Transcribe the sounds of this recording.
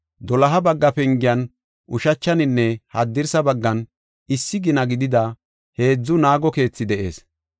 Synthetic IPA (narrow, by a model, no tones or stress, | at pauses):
d̪ɔlɐɦɐbɐɡːɐpɛŋɡɪjɐn | ʔʊʃɐt͡ʃːɐnɪnːɛhɐd̪ːɪɾsɐbɐɡːɐn | ɪsːɪɡɪnɐɡɪd̪ɪd̪ɐ | he̞ːd͡zːʊnaːɡɔke̞ːt͡sːɪd̪ɛʔe̞̰ːs